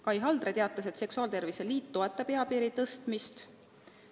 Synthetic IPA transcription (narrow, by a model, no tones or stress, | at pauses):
kɑjɦɑld̪re̞t̪eɑt̪ːˑɑse̞t̪se̞ksuɑːlt̪e̞rviseliːt̪ːo̞e̞t̪ːˑɑpe̞ɑpiːɾit̪ɤst̪mist̪